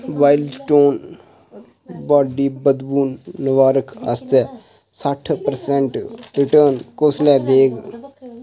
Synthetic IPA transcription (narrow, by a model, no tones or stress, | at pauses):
ʋaːɪlsʈoːn | baːɖiːbəd̪buːnːəʋaːɾəkʰa̰st̪ɛ | saʈʰpəɾsɛɳʈɾɪʈəːnkoːslɛd̪eːɡ